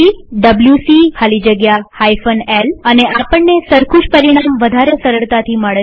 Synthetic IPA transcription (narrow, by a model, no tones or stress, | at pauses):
iɖəbljusihʰalid͡ʒəɡjahajfəneləneʔapəɳːesəɾkʰuʃpəɾiɽ̃amʋəd̪ʱaɾesəɾəɭt̪at̪ʰiməɭ